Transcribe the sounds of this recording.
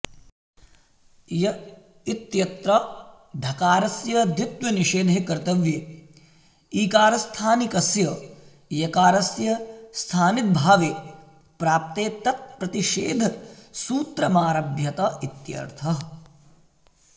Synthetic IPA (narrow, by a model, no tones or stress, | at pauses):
jɐ | it̪jɐt̪ɾɐ | d̪ʱɐkaːɾɐsjɐd̪it̪ʋɐniʃeːd̪ʱeːkɐɾt̪ɐʋjeː | iːkaːɾɐst̪ʰaːnikɐsjɐ | jɐkaːɾɐsjɐst̪ʰaːnit̪̚bʱaːʋeː | pɾaːp̚t̪eːt̪ɐt̪̚pɾɐt̪iʃḛːd̪ʱsuːt̪ɾɐmaːɾɐbʱjɐt̪ɐit̪jɐ̰ɾt̪ʰɐ